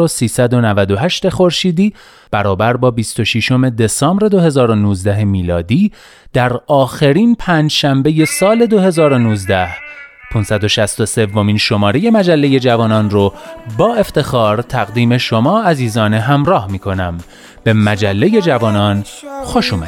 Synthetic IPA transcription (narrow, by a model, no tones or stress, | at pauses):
osiːsæd̪o̞nævæd̪o̞ɦæʃt̪e̞xo̞ɾʃiːd̪iː | b̥æɾɒːbæɾbɒːbist̪o̞ʃiʃo̞me̞d̪e̞sɒːmbɾe̞d̪o̞ɦe̞zɒːɾo̞nuːzd̪æɦe̞miːlɒːd̪iː | d̪̥æɾɒːxeɾiːnpʰæːnd͡ʒʃæmbe̞je̞sɒːle̞d̪o̞ɦe̞zɒːɾo̞nuːzd̪æhpʰunsæd̪o̞ʃæst̪o̞se̞vːo̞miːnʃo̞mɒːɾe̞je̞mæd͡ʒælːe̞je̞d͡ʒævɒːnɒːnrobɒːe̞ft̪e̞xɒːɾt̪ʰæɣd̪iːme̞ʃo̞mɒːæziːzɒːne̞ɦæmɾɒːhmiːkʰo̞næm | b̥e̞mæd͡ʒælːe̞je̞d͡ʒævɒːnɒːn | xo̞ʃuːmæi̥